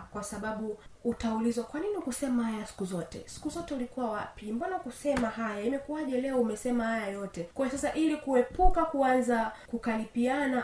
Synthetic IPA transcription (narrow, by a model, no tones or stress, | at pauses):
kwasaɓaɓuːtaulizwakwaninikusɛmahajasi̥kuzɔtɛ̰si̥kuzɔtɛulikuwawa̰pimbɔnakusɛmaɦajaimɛkuaʄɛlɛɔumɛsɛmahajajɔtɛkɔɔsasaʔilikuɛpukakuanzakukalipiana